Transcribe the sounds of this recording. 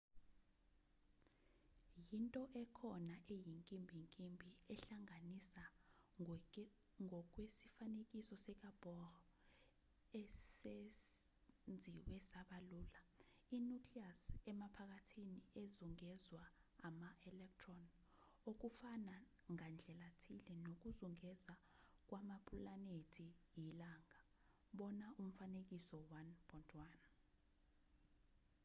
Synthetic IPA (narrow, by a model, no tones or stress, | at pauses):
jintʼɔʔɛkʰɔnaʔejiŋkʼimbʱiŋkʼimbʱiɛɬaŋanisa | ŋɔk̬ʼwesifanek̬ʼisɔsɛk̬ʼab̥ɔrɔ | ɛse | nd͡zʱiwɛsaɓaluːla | inukʰliasɛmapʰak̬atʰiniezuŋɛzwaːmaʔɛlɛk̚tʰrɔn | ok̬ufana | ŋand͡ɮʱɛlatʰilɛnok̬uzuŋɛzak̬wamapʰulanetʰijilaŋa | ɓɔnaʔum̩fanek̬isɔwanb̥ʰɔntʰʼwaːn